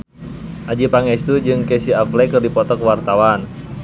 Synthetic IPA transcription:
ʔad͡ʒipaŋɛst̪ud͡ʒɨŋkɛsiaflɛkɨrdipɔt̪ɔkwart̪awan

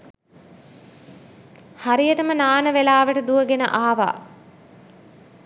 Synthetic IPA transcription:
haɾijəʈəmənaːnəʋelaːʋəʈəd̪uəɡenə̰ʔaːʋa̰ː

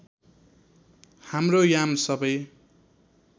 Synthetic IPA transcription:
hamrojamsʌbʌj

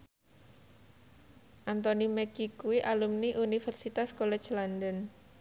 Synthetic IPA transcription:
ʔant̪ɔnimɛkikuwiʔalumniʔunifɛrsit̪askɔlɛ̥t͡ʃland̪ən

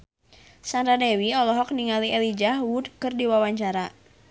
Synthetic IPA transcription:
sanɾadewiɔlɔɦɔk̚niŋaliʔɛlid͡ʒaɦwudkɨrdiwawaɲt͡ʃaɾa

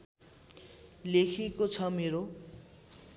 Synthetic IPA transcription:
lekʰekot͡sʰʌmeɾo

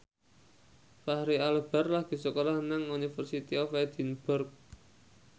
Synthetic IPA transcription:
fahɾialb̥a̤rlahɡ̥i̤səkolahnaŋunifərsit̪iɔfɛd̪̥i̤nb̥ʊrk̚

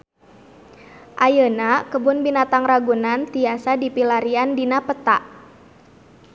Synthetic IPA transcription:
ʔajənakəbʊnbinat̪aŋraɡunant̪iasadipilaɾiandinapət̪a̰ʔ

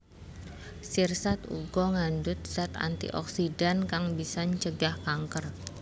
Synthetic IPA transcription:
sirsat̪ṵɡɔŋandʊt̪̚sat̪a̰nt̪ḭʔɔ̰ksidankaŋbisaɲt͡ʃəɡahkaŋkər

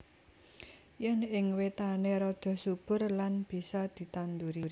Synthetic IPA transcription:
jɛnɪŋwet̪aneɾɔd̪̥ɔ̤sub̥ʊ̤rlanb̥i̤sɔd̪̥i̤t̪and̪uɾiɾ

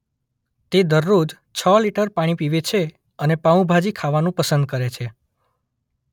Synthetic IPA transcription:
t̪ed̪əɾːod͡ʒ | t͡ʃʰəliʈəɾpaɽ̃ĩpiʋet͡ʃʰe | ənepaũbʱad͡ʒikʰaʋanũpəsənd̪̚kəɾet͡ʃʰe

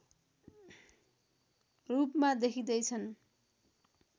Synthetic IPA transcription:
rupmad̪ekʰid̪ʌjt͡sʰʌn

